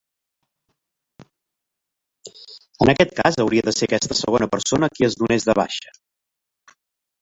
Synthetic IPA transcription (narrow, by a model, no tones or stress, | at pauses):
ənəkɛt̪̚kazəwɾiəðəsekɛst̪əsə̰ɣ̞onəpəɾsonəkiəzðunezðəβa̰ʃə̥